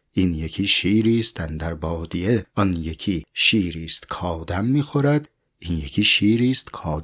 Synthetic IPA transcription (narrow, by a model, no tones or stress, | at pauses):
iːnjekʰiːʃiːɾiːst̪ænd̪æɾbɒːd̪ieɒnjekʰiʃiːɾiːst̪kʰɒːd̪æmːiːxoɾæd̪ | iːnjekʰiʃiːɾiːst̪kʰɒːd̪